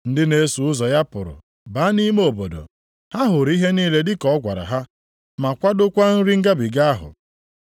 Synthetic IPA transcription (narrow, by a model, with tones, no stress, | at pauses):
n̩˦dɪ˦ne˦su˨ʊ˦zɔ˨ja˦pʊ̰˨ɾʊ̰˨ | ba˨˦ni˦me˦o˨bo˨do̰˨ | ha˦ɦʊ˨ɾi˦ɦe˦niː˦le˦dɪ˦kɔ˦ɔ˦ɡʷa̰˨ɾa̰˨ɦa˦ | ma˨kʷa˦dʊ˦kʷa˦n̩˦ɾi˦ŋ̩˦ɡa˦bi˨ɡa˦a˦ɦʊ̰˨